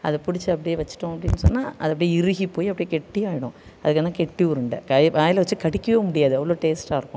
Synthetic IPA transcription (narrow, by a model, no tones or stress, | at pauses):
ɐ̰ðɐpʊɽɪt͡ʃːɯɐpːɐɽɪjeʋɐt͡ʃːɪ̥ʈːʊ̃ɐpːɐɽɪnːɯsɔnːaːʔɐ̰ðɐp̬ːɐɽiɪɾɯɣipːoːjiɐpːɐɽɪjekɛʈːijaːjɪɽʊ̃ | ɐðɯkːeːnːãːkɛʈːiʊɾɯɳɖɐ̰kaːjkaːjɪlɐʋɐt͡ʃːɯkɐɽɪkʲːɐʋeːmʊɽɪjaːðɯɛʋːɐɭoːʈeːsʈaːɪɾɯkːʊ̃